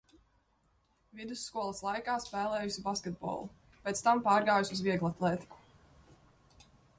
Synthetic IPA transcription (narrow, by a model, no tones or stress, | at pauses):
vid̪usːkuɔlˠɐslˠajkaːspɛːlˠɛːjusibaskʲɛt̪̚bo̰ːlˠu | pʲet̪st̪ampɑːɾɡaːjusuzviɛɡlˠat̪lˠɛːt̪i̥ku̥